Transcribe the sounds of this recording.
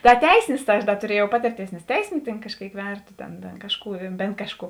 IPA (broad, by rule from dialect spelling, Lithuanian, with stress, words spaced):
dɐ ˈtʲɛɪsʲɪnʲɪs tɐɪ ˈɐʃ dɐ tʊˈrʲiɛjɛʊ ˈpɑːtʲɪrʲˌtʲeːɪs nʲɛs ˈtʲɛɪsʲɪnʲʊ tʲeːn kɐʃʲˈkʲeːɪk ˈʋʲɛrtoː ˈtʲeːn tʲeːn ˈkɑːʃˌkuː ˈbʲeːn kɐʃˌkuː